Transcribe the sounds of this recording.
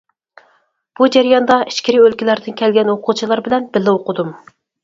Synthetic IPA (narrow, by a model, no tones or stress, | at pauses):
b̥ud͡ʒæɾjɑnd̪ɑʔi̥ʃkʲiɾɪølkʲilæɾd̪ɪnkʲʰɛlɡʲɛnwoqʰut͡ʃʰilˠɑɾbɪlɛnbɪlːɪoqʊd̪um